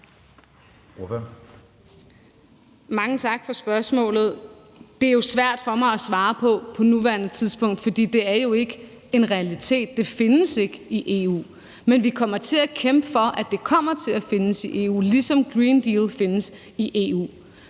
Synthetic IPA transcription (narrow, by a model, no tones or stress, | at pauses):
mɑ̈ŋət͡sʰɑ̈ɡ̥fɒ̽sb̥ɶɐsmɔ̰̽ːlð̞̩ˠ | d̥e̝æɐjo̝sʋæɐ̰d̥fɒ̽mɑ̈ɪæsʋɑ̈ːpʰɒ̽pʰɒ̽nuʋæɐnət͡sʰiðˠsb̥ʰɔ̽ŋ̰d̥fɒ̽d̥ḭːd̥e̝æɐjo̝e̝ɡ̥ə | e̝nʁɛælit͡sʰe̝̰ːd̥̚ːe̝fe̝nəse̝ɡ̥iʔe̝̰ṵː | menʋikʰɒ̽m̰ɐt͡sʰe̝ækʰemb̥əfɒ̽ʔæd̥e̝kʰɒ̽m̰ɐt͡sʰe̝læfe̝nəsiʔe̝̰ṵːlisɒ̽mɡ̥ʁiːnd̥iːlfe̝nəs | iʔe̝̰ṵː